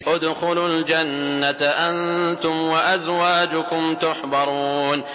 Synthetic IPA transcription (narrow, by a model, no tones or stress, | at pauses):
ʔʊd̪xʊlʊld͡ʒanːat̪ʔant̪ʊmwaʔazwaːd͡ʒʊkʊmt̪ʊħbɑɾˤuːn